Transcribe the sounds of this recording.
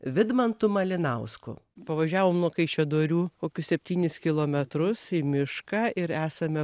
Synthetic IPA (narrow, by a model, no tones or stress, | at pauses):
ʋʲɪd̪mɐnt̪ʊmɐlʲɪnɐʊskʊ̰pɐʋɐʒʲæːʋoːmnuɔkɐɪt͡ʃʲɛd̪oːɾʲuːkoːkʲʊssʲɛpʲt̪ʲiːnʲɪskʲɪlˠoːmʲɛt̪ɾʊsimʲɪʃkɑːʔɪɾæːsɐmʲɛ